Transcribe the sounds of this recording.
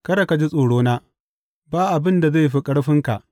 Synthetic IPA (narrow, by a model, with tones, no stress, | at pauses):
kɐ˦ɾa˨ka˨d͡ʒi˦sʼoː˨ɽoː˦naː˦ | baː˦ʔa˨bɪ˦nda˨za˦˨jɸi˦kʼɐ˦ɽɸɪ˦ŋka̰˨ʔ